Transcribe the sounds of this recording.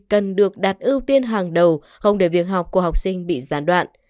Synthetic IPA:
kə˨˩nɗɨ˨˩ək̚ɗa˨˩t̚ʔi˧wt̪i˧ənɦaː˨˩ŋɗə˨˩w | xə˧wŋ͡mɗe˧˩vi˨˩ət̚ɦa˨˩wk͡p̚ku˧˩əha˨˩wk͡p̚sï˧ŋ̟ɓḭ˧˨zaː˨˦nɗwa̰ː˧˨nʔ

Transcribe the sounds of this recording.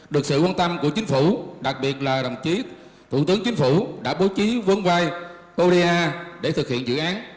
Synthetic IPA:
ɗɨ˨˩ək̚sɨ̰˧˨waː˧nt̪ə˧mku˧˩ət͡ɕï˨˦ŋ̟fu˧˩ɗa˨˩k̚ɓi˨˩ət̚laː˨˩ɗ̪ə̰˨˩t͡ɕi˨˦ | t̪ʰṵ˧˩t̪ɨ˨˦əŋt͡ɕï˨˦ŋ̟fu˧˩ɗa̰ː˧˥ɓo˨˦wt͡ɕi˨˦və˧˦əŋvaː˧j | ʔo˧ɾi˧aː˧ɗe˧˩t̪ʰɨ˨˩k̚hḭ˧˨ənzɨ̰˧˨ʔaː˨˦n

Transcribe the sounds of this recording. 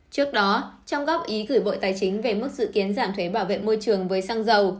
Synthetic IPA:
t͡ɕɨ˦˥ək̚ɗɔ˨˦t͡ɕɔ˧wŋ͡mɣɔ˦˥p̚ʔi˨˦ɣɨː˧˩jɓo̰˧˨jt̪aː˨˩jt͡ɕï˨˦ŋ̟ve˨˩mɨ˦˥k̚zɨ̰˧˨ki˨˦ənzaː˧˩mt̪ʰwe˨˦ɓaː˧˩wvḛ˧˨nmo˧jt͡ɕɨ˨˩əŋvəː˨˦jsaː˧ŋzə˨˩w

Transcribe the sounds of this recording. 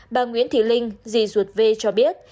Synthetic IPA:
ɓaː˨˩ŋwḭ˧˦˥ənt̪ʰḭ˧˨˩lï˧ŋ̟zi˧˨˩zu˨˩ət̚ve˧t͡ɕɔ˧ɓi˦˥ət̚

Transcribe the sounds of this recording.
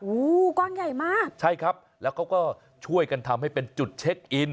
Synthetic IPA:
ʔuː˧˦kɔː˥˩nja˨˩jmaː˥˩k̚t͡ɕʰa˥˩jkʰɾa˦˥p̚lɛː˦˥wkʰa˦˥wkɔː˥˩ | t͡ɕʰu˥˩əjka˧nt̪ʰa˧mɦa˥˩jpe˧nt͡ɕu˨˩t̪̚t͡ɕʰe˦˥k̚ʔi˧n

